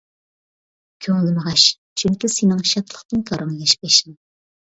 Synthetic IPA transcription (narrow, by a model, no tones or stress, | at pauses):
kʲʰøŋlɪməʁɑʃ | t͡ʃʰyŋkʲisenɪŋʃɑt̪ʰlˠəχt̪ɨnk̪ʰɑɾɑŋjɛʃpeʃɪŋ